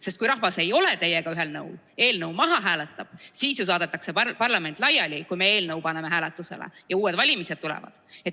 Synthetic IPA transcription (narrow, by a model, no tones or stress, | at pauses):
sest̪̚kujɾɑɦvɑse̞jo̞le̞t̪e̞jːeɡ̥ɑyɦe̞lnɤwl | e̞ːlnɤwmɑɦɑɦæːlet̪ːˑɑb̥siːsjus̬vɑːd̪̥et̪ːˑɑkse̞pɑrlɑme̞nt̪ˑlɑjɑlʲikujme̞e̞ːlnɤwpɑnemeɦæːlet̪ːˑuse̞̰lḛjɑuːwe̞d̪vɑlʲimise̞d̪̥̚t̪ːulḛvɑ̰d̪̥et̪